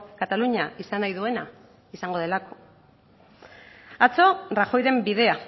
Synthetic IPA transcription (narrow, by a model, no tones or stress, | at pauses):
kat̪aluɲaisanajðue̞na | isaŋɡo̞ð̞e̞lako̥ | at͡so̞raxo̞jɾe̞mbið̞e̞a